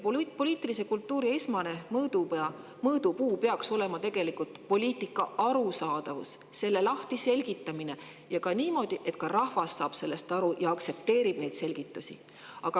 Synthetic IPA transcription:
po̞lʲiːt̪ːˑilise̞kult̪ːˑuːɾie̞smɑnemɤːd̪uɑ | mɤːd̪upuːpe̞ɑkso̞le̞mɑt̪e̞ɡ̥e̞likult̪po̞lʲiːt̪ːˑikːˑɑɑɾusɑːd̪ɑvṵs | se̞lːe̞lɑht̪ise̞lʲɡ̥it̪ːˑɑmine̞ | jɑkɑniːmo̞ːd̪̥iʔe̞t̪kɑɾɑhvɑsːɑːb̥se̞lːe̞st̪ɑɾujɑɑkt̪se̞p̚t̪e̞ːɾib̥̚ne̞jd̪̥se̞lɡ̥it̪ːˑusʲḭ | ɑɡ̥ɑ

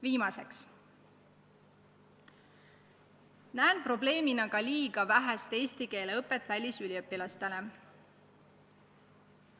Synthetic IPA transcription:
viːmɑse̞ks | næːnpro̞ble̞ːminɑɡɑliːɡ̥ɑvæɦæst̪e̞ːsʲt̪ike̞ːleɤpːˑe̞t̪ːˑvælʲːisylʲiɤpːilɑst̪e̞le

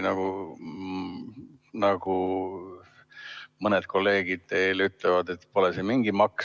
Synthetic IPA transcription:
nɑɡ̥u | nɑɡ̥u | mɤned̪̥̚ko̞lːe̞ːɡ̥id̪̥̚t̪e̞ːlyt̪ːˑlevɑd̪e̞t̪ːpo̞lɛsemiŋɡ̥imɑks

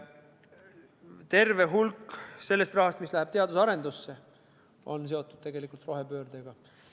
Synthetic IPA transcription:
t̪e̞rve̞ɦulkːse̞lːe̞st̪rɑɦɑst̪mislæɦæb̥̚t̪e̞ɑd̪usɑɾe̞nd̪usːe̞ | ʔo̞̰ns̬e̞o̞t̪ːˑud̪̥t̪e̞ɡ̥e̞likˑult̪ro̞ɦe̞pø̞ːɾd̪̥eɡ̥ɑ

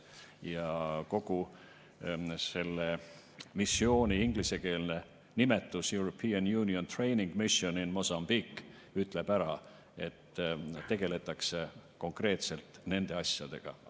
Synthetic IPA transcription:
jɑko̞ɡ̥u | se̞lːe | misːio̞ːnʲiiŋɡ̥lise̞ke̞ːlne̞ | nime̞t̪ːˑusjuwɾo̞pːiːɑnjuːnio̞nt̪re̞jniŋɡ̥misio̞ninmo̞sɑmb̥ikː | yt̪ːˑle̞b̥æɾɑ | e̞t̪ːt̪e̞ɡ̥e̞le̞t̪ːˑɑkseko̞ŋkre̞ːt̪se̞lt̪ne̞nd̪e̞ɑsʲjɑd̪̥e̞̰ɡ̥ɑ̰

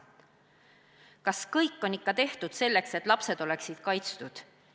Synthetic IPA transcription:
kɑskɤjkːˑo̞nikːɑt̪e̞ht̪ud̪̥se̞lːe̞kse̞t̪ːˑlɑpse̞d̪̥o̞le̞ksid̪̥kɑjt̪st̪ud̪̥

